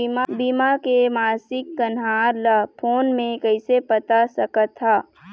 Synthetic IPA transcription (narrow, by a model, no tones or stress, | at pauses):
mabimakemaːsɪkːɐnɦaːɾləpʰoːnmẽkɐɪsepɐt̪asɐkət̪ʰːaː